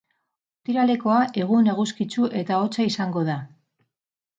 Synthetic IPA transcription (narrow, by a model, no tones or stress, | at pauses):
ot̪iɾale̞ko̞aʔe̞ɣ̞une̞ɣuskit͡suʔe̞t̪ao̞t͡saisaŋɡo̞ða